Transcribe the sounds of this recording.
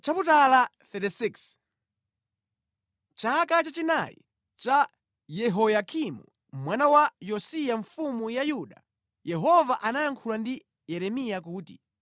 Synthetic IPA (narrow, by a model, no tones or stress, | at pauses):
t͡ʃaputala | θɛtisiks | t͡ʃakat͡ʃat͡ʃina̰jḭ | t͡ʃa | jɛɦɔjakʰimṵ | mwanawajɔsijaɱfumujajuɗa̰ | jɛɦɔvaʔanaaŋkʰulandi | jɛɾɛmijakuːtḭ